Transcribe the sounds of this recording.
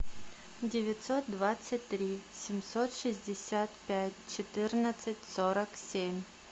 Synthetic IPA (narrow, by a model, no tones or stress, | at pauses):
dʲɪvʲɪt̪sot̪̚d̪vat̪sətʲt̪ːɾʲisʲɪmʲsot̪ʂɨzʲdʲɪsʲat̪pʲætʲt͡ɕɪt̪ɨrnət̪sɨtʲsoɾəksʲemʲ